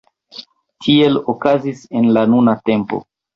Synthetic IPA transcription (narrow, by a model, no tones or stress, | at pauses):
tʰie̞lokazise̞nlanunate̞mpo̞̰